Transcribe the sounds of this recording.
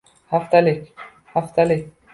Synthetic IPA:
haft̪alik | haft̪alik

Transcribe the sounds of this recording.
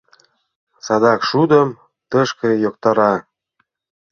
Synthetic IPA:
sɑd̪ɑkʃud̪əm | t̪əʃkɤ̆jok̚t̪ɑɾɑ

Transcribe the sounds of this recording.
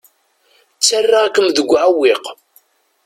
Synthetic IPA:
t͡sːarːaækːəmðəɡʷːʕawːiq

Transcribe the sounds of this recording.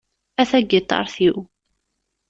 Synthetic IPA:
æθæɡit̪ˤːɑ̰ɾˤθiw

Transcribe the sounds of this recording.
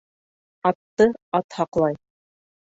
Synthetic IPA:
ɑt̪ːɤɑt̪hɑqlˠɑj

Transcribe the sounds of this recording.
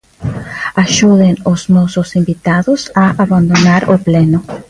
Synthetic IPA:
aʒuðenozmowsosĩmbit̪aðosaaβãnd̪onaɾopleno

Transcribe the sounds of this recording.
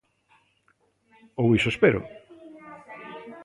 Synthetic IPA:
owisoespeɾʊ̰

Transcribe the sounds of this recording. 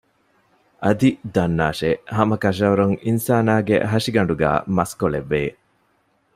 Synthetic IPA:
ʔɐd̪id̪ɐnːaːʃehɐmɐkɐʃ̬ɐuɾuŋinsaːnaːɡḛɦɐʂiɡɐɳɖuɡæ̰ːmɐskoleʋːeː

